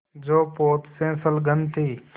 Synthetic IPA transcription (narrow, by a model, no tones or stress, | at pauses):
d͡ʒoːpoːt̪sẽːsəlɡənt̪ʰiː